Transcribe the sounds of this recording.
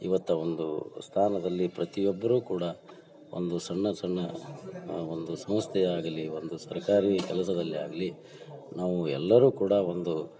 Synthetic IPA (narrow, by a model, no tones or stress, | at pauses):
ḭʋɐt̪ːɐond̪ṵst̪ʰaːnɐd̪ɐlːipɾɐt̪ijɔbːɐɾuːkuːɽɐ | ʔo̰nd̪usɐɳːɐsɐɳːɐ | ond̪usɐm̃st̪ʰɛjaːɡɐliond̪usɐɾkaːɾikɛlɐsɐd̪ɐlːia̰ːɡɐli | naːʋuɛlːɐɾuːkuːɽɐo̞nd̪u